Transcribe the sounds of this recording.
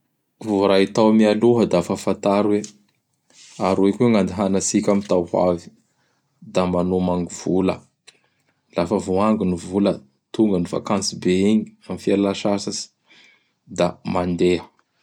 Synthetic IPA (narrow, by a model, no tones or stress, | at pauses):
vuɾait̪awmialuɦəd̪afafant̪aɾwe | aɾekʲuŋand̪iɦanasikʲamit̪awhwa̰vi̥ | d̪amanomaŋɡuv̥ulə | lafəvuaŋɡinivulə | t̪uŋɡəniva̰kant͡sibeiɲiamifialaʃasasi̥ | d̪amand̪eɦə